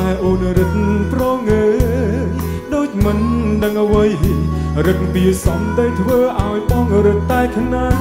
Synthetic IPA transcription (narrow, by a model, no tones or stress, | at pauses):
aɛʔoːnɾɨt̪̚prɑŋəː | ɗoːc̚mɨnɗəŋʔəʋəj | rɨk̪̚piəsɑmt̪əjt̪ʰʋəːʔaɔjɓɑŋɾɨt̪̚t̪aɛkʰnaː